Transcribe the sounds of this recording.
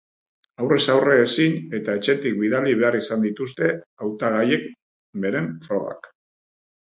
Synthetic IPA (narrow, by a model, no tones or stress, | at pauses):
awre̞sawre̞ːsine̞t̪ae̞t͡ʃe̞t̪ik̚biðaliβe̞arisand̪it̪ust̪e̞awt̪aɣ̞aje̞k̚ | be̞ɾe̞ɱfɾo̞ɣa̰k